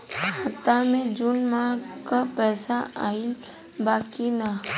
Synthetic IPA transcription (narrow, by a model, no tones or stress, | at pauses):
haːt̪amẽd͡ʒunmãkapɛːsaaːi | baːkina